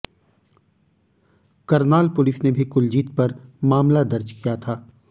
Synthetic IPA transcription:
kɐɾnaːlpʊlɪsnebʱikʊld͡ʒiːt̪̚pɐɾmaːmlad̪ɐɾt͡ʃkijat̪ʰaː

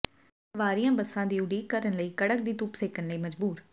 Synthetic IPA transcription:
səʋaːɾiːãːbəsːãːd̪iːʊɽiːkəɾənləiːkəɽək̚d̪iːt̪ʊpseːkənləiːməd͡ʒbuːɾ

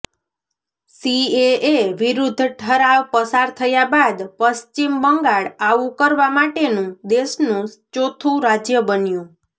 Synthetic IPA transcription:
sieeʋiɾud̪ʱːʈʰəɾaʋpəsaɾt̪ʰəjabad̪pəst͡ʃimbəŋɡaɭaʋũkəɾʋamaʈenũd̪eʃnũt͡ʃot̪ʰũɾad͡ʒjəbənjũ

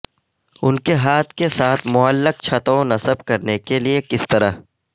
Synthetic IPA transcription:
ʊnkeɦaːt̪ʰkesaːt̪ʰmʊəlːək̚t͡ʃʰɐt̪õnɐsəb̚kɐɾnekeliekɪst̪ɐɾaɦ

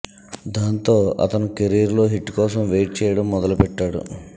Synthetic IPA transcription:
d̪aːnt̪o̞ːɐ̰t̪ɐnukeɾiːɾlo̞ːɦiʈːkɔːsɐmʋeːʈ̚t͡ʃɛːjɐɽɐmːɔd̪ɐlupɛʈːaːɽṵ

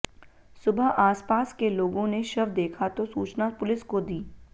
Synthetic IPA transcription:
sʊbʱəɦaːspaːskeloːɡõneʃɐʋd̪eːkʰat̪osuːt͡ʃnapʊlɪskod̪iː

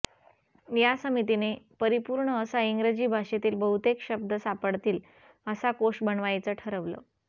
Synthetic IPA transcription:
jasəmit̪inepəɾipuɾɳəːsaiŋɡɾəd͡ʑiːbʱaʂet̪iːlbəɦut̪ekɕəb̚d̪əsapəɽt̪iːl | əsakoʂʈbəɳʋajt͡səʈʰəɾəʋlə̰

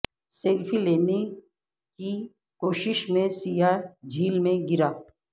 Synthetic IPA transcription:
seːlfʰileːne | ki | koːʃɪʃmẽsijad͡ʒʱiːlmẽɡɪɾaː

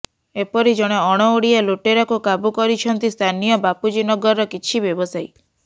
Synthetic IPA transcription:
epɔɾid͡ʒɔɽ̃eɔɽ̃ɔoɽieloʈeɾɔkukabukɔɾit͡ʃʰɔnt̪ist̪ʰanijɔbapud͡ʒinɔɡɔɾːɔkit͡ʃʰibjɔbɔsaj

